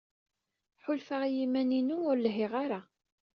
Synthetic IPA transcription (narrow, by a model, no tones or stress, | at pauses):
ħʊlfaʁjimæninuʊɾlɦɪʁaɾa